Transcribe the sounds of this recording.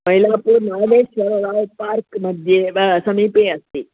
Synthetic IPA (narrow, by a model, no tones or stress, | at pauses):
mɐjlaːpuːɾnaːʋeːʃʋɐɾoːd̪aːʋpaːɾkmɐd̪ʱjeːʋɐsɐmiːpeːɐst̪i